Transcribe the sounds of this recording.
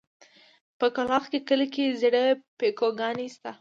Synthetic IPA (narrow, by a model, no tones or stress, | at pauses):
pəkalɑxkekəlkezeɽəpekoɡɑnist̪a